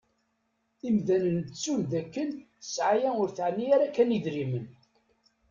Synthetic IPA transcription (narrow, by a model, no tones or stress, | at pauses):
imðænənt͡sːunðækːənθəsʕajæʊɾθʕnːiaɾækæniðɾimən